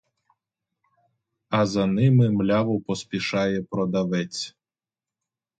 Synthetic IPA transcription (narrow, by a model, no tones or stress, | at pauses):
ɐzɐnɪmɪmlʲaʋʊpɔspʲiʃɑjɛpɾɔd̪ɐʋɛt͡sʲ